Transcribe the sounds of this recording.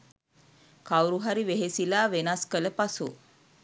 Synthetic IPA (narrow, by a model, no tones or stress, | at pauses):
kawɾuɦaɾiʋeɦesilaːʋenaskələpasu